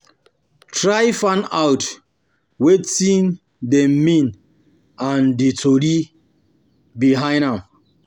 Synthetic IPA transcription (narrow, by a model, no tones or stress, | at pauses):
tʰɹajfãnawt | wetĩn | demĩn | ãnditʰoɾi | biɦãj̃nãm